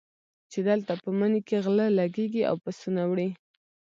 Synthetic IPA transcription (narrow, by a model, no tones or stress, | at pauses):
t͡ʃed̪əlt̪apəmənikeɣləlaɡeɡia̰wpəsunawɽi